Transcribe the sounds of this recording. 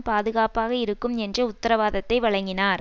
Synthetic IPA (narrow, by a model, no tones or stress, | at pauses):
paːðɯɣaːpaːɣɐɪɾɯkːɯmɛndrɐʊt̪ːɐɾɐʋaːðɐt̪ːɐɪʋɐɭɐŋɡɪnaːɾ